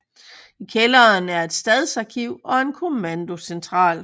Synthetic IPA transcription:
ikʰelɐnæɐe̝d̥sd̥ɛð̞ˠsɑ̈kʰiʊ̰ɒ̽e̝nkʰo̝mænd̥o̝sent͡sʰʁɑ̰̈ːl

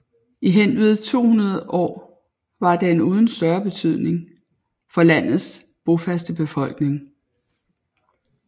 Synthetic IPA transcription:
iɦen̰ʋið̩ˠt͡sʰo̝̰ːhunɐð̩ˠɒ̰ː | ʋɑ̈d̥ee̝nuːð̞ˠn̩sd̥ɶɐb̥e̝t͡sʰyð̰ˠne̝ŋ | fɒ̽læn̰ð̩ˠs | b̥o̝fæsd̥əb̥e̝fɒ̽l̰ɡ̥ne̝ŋ

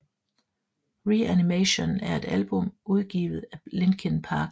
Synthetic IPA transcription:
ʁiænimeɕo̝næɐe̝d̥ælb̥ɔ̽m̰uð̞ˠɡ̥ḭːʊð̩ˠæle̝nɡ̥ʰənpʰɑ̈ːɡ̥

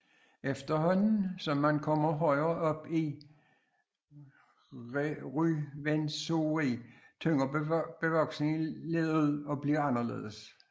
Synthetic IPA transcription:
efd̥ɐɦɒ̽n̰n̩sɒ̽mːænkʰɒ̽mɐɦɒ̽ɪɐʔɒ̽b̥i | ʁyʋensoi | t͡sʰøŋɐb̥e̝ʋɒ̽ɡ̥sneŋile̝ðˠðð̩ˠɒ̽b̥liɐɑ̈nɐlḛːðˠs

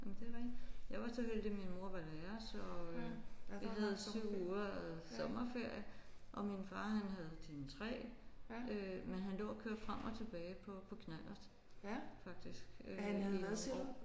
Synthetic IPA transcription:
æmnd̥e̝ʋɑeɡjɑ̈ɪʋɑ̈sɒɦel̰d̥iminmo̝ɐʋɑ̈d̥æɐsɒɒ̽øʋiɦæð̩ˠsyʊ̰uːɐæðsɒ̽mɐfe̝ɐ̰jəʔɒ̽minfɑ̈ːɦænɦæð̞̩ˠd̥inət͡sʰʁɛ̰ː | ømenɦænlo̰ːkʰøɐd̥fʁam̰ʔɒ̽t͡sʰe̝b̥ɛːɪpʰɒ̽pʰɒ̽kʰnæl̰ɐs | fɑ̈ɡ̥̚d̥isɡ̥øæhæðˠ

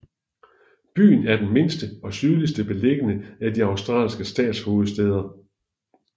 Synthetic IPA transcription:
b̥y̰ːnæɐd̥enme̝nsd̥əɒ̽syðˠlisd̥əb̥e̝le̝ɡ̥ənəæd̥iɑ̈ʊsd̥ʁɑ̰̈ːlsɡ̥əsd̥ɛ̰ːd̥sho̝ːð̞̩ˠsd̥eːð̞ˠɐ

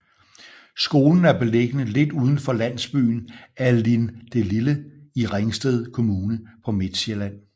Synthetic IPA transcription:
sɡ̥o̝ːln̩æɐb̥e̝leɡ̥ənəle̝d̥uːð̞ˠn̩fɒ̽læn̰sb̥y̰ːn̩ælind̥e̝liləiʁeŋsd̥eð̞̰ˠkʰo̝muːnəpʰɒ̽me̝d̥ɕelæn̰

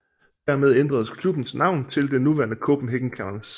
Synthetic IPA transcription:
d̥æɐmeð̞ˠend̥ʁɐð̞ˠskʰlub̥n̩snɑ̈ʊ̰nt͡sʰe̝ld̥e̝nuʋæɐnəkʰɔb̥m̩ɦeɡ̥ŋ̩kʰæns

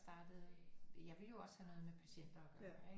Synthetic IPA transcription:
sd̥ɑ̈ːd̥əð̞̩ˠjɑ̈ɪʋe̝ljo̝ɒ̽shænɔ̽ːð̞̩ˠmepʰæɕen̰d̥ɐɒɡ̥ɶɐɐe

